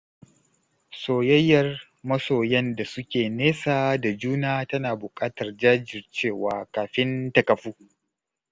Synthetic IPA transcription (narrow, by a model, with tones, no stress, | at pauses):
soː˨jɐ˦jːɐ˨r | mɐ˦soː˨jɛ˦nda˨sʊ˦kʲeː˨neː˦saː˨da˨d͡ʒuː˦naː˦tɐ˦naː˨bʊ˨kʼaː˦tɐ˨rd͡ʒaː˦d͡ʒɪ˨rt͡ʃeː˦˨waː˨˦kaː˨ɸɪ˦ntɐ˨kɐ˨ɸuː˦